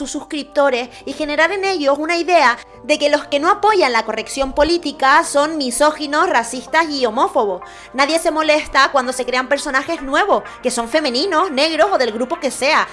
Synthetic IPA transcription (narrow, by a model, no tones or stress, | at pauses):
ususkɾip̚t̪o̞ɾe̞s | ixe̞ne̞ɾaɾe̞ne̞ʝo̞sunaiðe̞a | ðe̞ke̞lo̞ske̞no̞apo̞ʝanlako̞re̞ksjo̞mpo̞lit̪ikaso̞nːiso̞xino̞srasist̪asio̞mo̞fo̞β̞o̞s | naðje̞se̞mo̞le̞st̪akwand̪ose̞kɾe̞ampeɾso̞naxe̞znwe̞β̞o̞ske̞so̞ɱfe̞mẽ̞nĩno̞sne̞ɣɾo̞so̞ðe̞lɣɾupo̞ke̞se̞a